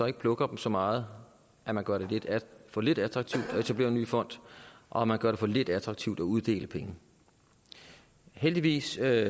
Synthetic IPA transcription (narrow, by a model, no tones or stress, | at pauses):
sɒ̽e̝ɡ̥əpʰlɔ̽ɡ̥ɐd̥m̩sɒ̽mɑ̈ːð̞̩ˠ | ʔæmænɡ̥ɶɐɾe̝led̥fɒ̽le̝d̥æd̥ʁɑ̈ɡ̥t͡sʰiʊd̥ɒ̽e̝t͡sʰæb̥le̝̰ːɐny̰ːfɒ̽n̰d̥ʔɒ̽æmænɡ̥ɶɐɾ̥efɒ̽le̝d̥æd̥ʁɑ̈ɡ̥̚t͡sʰiʊd̥ɒuð̞ˠd̥e̝̰ːləpʰeŋə | held̥iʋḭːs